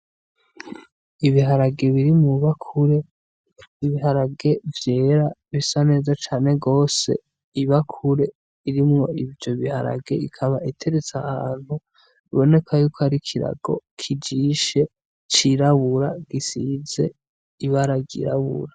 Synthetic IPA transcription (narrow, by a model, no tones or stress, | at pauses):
iβiɦaɾaɡe̞βiɾimŋuβakʰuɾe̞ | iβiɦaɾaɡe̞vje̞ːɾaβisane̞ːzat͡ʃaːne̞ɡo̞ːse̞̰ | iβakʰuɾe̞ | iɾimŋo̞ivjo̞βiha̰ɾa̰ɡe̞̰ikʰaβaʔitʰe̞ɾet͡sahaːn̥hu | iβo̞ne̞kʰajuːkoaɾikʰiɾa̰ɡ̥o̞̰kʰid͡ʒiʃe̞ | t͡ʃiɾaβuɾaɡisize̞̰ | iβaɾaɡḭɾa̰βṵɾa